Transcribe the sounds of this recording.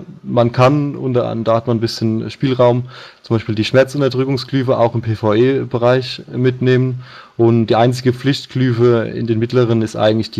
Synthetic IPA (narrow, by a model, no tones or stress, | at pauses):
mankʰanʔʊntɐʔa̰d̥aːhatmanbɪsçənʃpiːlʁaʊmt͡sʊmbaɪʃpiːldiːʃmɛɐt͡sʔʊntɐdʁʏkʊŋsklyːfəʔa̰ʊxɪmpʰeːfaʊeːb̥əʁaɪçmɪtneːmən | ʔʊnd̥iːʔaɪnt͡sɪɡəp͡flɪçtklyːfəɪ̰ndeːnmɪtləʁ̞ənɪstʔa̰ɪɡŋ̩tlɪçd̥iː